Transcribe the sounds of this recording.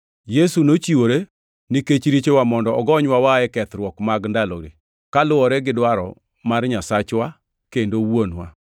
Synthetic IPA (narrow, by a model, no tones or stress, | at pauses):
jesunot͡ʃiwoɾe | niket͡ʃɾit͡ʃewamɔndɔɔɡɔɲwawaɛkɛt̪ɾwɔkmaɡndaloɾḛ | kalʊwɔɾɛɡɪdwaɾɔ̰ | marɲasat͡ʃwa | kendowonwa̰